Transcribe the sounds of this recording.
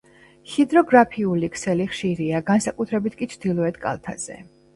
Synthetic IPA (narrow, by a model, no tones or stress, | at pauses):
hid̪ɾɔɡɾapʰiulikʰsɛliχʃiɾiaɡansakʼut̪ʰɾɛbit̪ʰkʼit͡ʃʰd̪ilˠɔɛt̪ʰkʼa̰lˠt̪ʰa̰z̥ɛ̰